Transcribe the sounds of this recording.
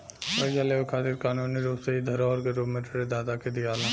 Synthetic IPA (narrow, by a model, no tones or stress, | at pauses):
pɐd͡ʒaleːʋokʰaːt̪iɾkaːnuːnːiɾoːpseid̪ʱɐɾɔːɾɡɐɾoːmeʈɾed̪aːt̪aked̪iaːlã